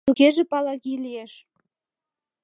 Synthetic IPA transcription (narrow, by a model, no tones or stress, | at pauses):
t̪uɣeʒĕpɑlɑɣilieʃ